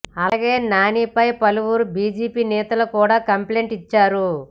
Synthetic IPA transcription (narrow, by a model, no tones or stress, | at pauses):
ɐlaːɡeːnaːniːpɐjpɐluʋuɾubiːd͡ʒiːpiːnɛːt̪ɐlɐkuːɽaːkɐmple̞ːɳʈit͡ʃːaːɾu